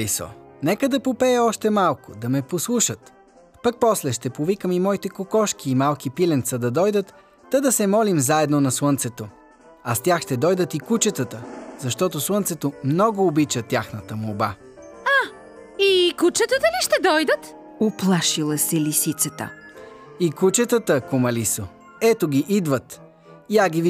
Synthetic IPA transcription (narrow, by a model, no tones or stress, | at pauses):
isɔ̰nɛkəd̪ɐpopɛəɔʃt̪ɛmalˠkod̪ɐmɛposlˠuʃət̪ | pək̚pɔslɛʃt̪ɛpovikəmimɔit̪ɛkokɔʃk̟iːmalˠk̟ipilɛnt̪səd̪ɐd̪ɔjd̪ət̪ː | ɐd̪ɐsɛmɔlimzaɛd̪nonɐswənt̪sɛt̪o | ɐst̪ʲjaxʃt̪ɛd̪ɔjd̪ət̪ikut͡ʃət̪ət̪əzɐʃt̪ɔt̪oswˠənt̪sɛt̪omnɔɡʊːbit͡ʃət̪ʲjaxnət̪əmoba | a | ikut͡ʃət̪ət̪əliʃt̪ɛd̪ɔjd̪ət̪ | oplˠaʃilˠəsɛlisit̪sət̪ə̰ | ikut͡ʃət̪ət̪əkomɐliso | ɛt̪oɡʲiʔid̪vət̪ | iaɡiv